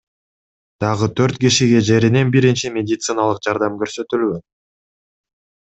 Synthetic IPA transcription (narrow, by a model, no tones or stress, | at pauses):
d̪̥ɑʁɯt̪ʰø̞ɾt̪kʲiʃiɡe̞d͡ʒe̞ɾine̞nbiɾint͡ʃimʲe̞dʲɪt̪sɨnalˠɯqd͡ʒɑɾd̪ɑmɡø̞ɾsø̞t̪ylɡøn